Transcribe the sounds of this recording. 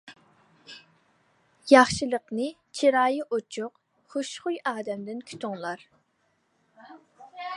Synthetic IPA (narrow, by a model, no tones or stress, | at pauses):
jɑχʃɨlˠəqnɨ | t͡ʃʰiɾɑːjiʔot͡ʃʰʊq | χoʃχʊjɑːd̪ɛmd̪ɪnkʲʰy̥t̪ʰʊŋlˠɑɾ